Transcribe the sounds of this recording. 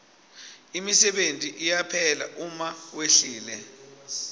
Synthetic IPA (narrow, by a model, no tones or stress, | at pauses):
imisɛɓentʼiʔijapʰɛla̰ʔumaweɬiːlɛ